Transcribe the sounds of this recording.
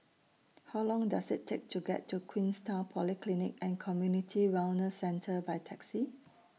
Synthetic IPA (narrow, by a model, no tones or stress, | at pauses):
hawlɔ̃ŋdasɪtʰːek̚tʰuɡɛ̰tʰːukʰwĩnstapʰɔliklinɪk̚ɛ̃nkʰɔmjunitʰiwɛlnəsɛ̃ntʰəbajtʰɛksi